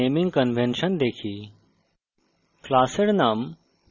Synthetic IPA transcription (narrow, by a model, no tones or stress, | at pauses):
eːmĩŋɡkɐnʋẽnʃənd̪eːkʰi | klaːseɽnaːm